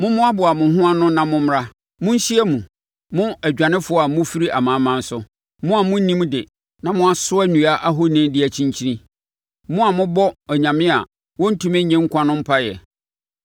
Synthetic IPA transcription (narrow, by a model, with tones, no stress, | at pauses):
mʊ̃˦mʊ̃˦a˦bʊ˨a˨mʊ̃˨˦ɦʊ̃˦a˦nʊ̃˦nã˨mʊ̃˦m˦ɾa˦ | mʊ̃˦ɲ̩˦ɕi˦ɛ˦mũ˨ | mʊ̃˦æ˨d͡ʑᶣa˨nɪ̃˦fʊ˦ɔ˦a˨mʊ̃˦fi˦ɾi˦ʔa˨mã˨˦mã˦n̩˦sʊ˦ | mʊ̃˦a˨mʊ̃˦n˦nĩ˦m˦dɪ˨ | nã˨mʊ̃˦a˨sʊ˦æ˦nũ˨a˦ʔa˦ɦo˦nɪ̃˦dɪ˦æ˨t͡ɕʰĩ˦ɲt͡ɕʰi˦nĩ˦ | mʊ̃˦a˨mʊ̃˦bɔ˦ɔ˨ɲã˨mɪ̃˦a˨ | wɔ̃˦n̩˦tũ˦mɛ̃˦ɲɛ̃˦ŋ̩˦kʷʰã˦nʊ̃˦m̩˦pʰa˦jɛ̰˨